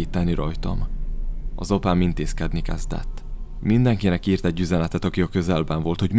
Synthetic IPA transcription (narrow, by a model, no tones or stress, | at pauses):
it̪ːɛnːiɾɒjt̪ɒ̰m | ɒzopaːmint̪eːskɛd̪nikɛ̰zd̪ɛ̰t̪ː | mind̪ɛŋkinɛkiːrt̪ɛɟːyzɛnɛt̪ɛt̪ɒkiɒkø̞zɛlbɛɱvo̞lt̪ho̞ɟm